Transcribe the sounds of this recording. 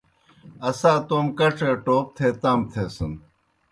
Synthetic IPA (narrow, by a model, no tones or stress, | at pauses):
ɐsãːt̪oːmkɐʈ͡ʂʰeːʈoːp̚t̪ʰeːt̪aːmt̪ʰeːsɐn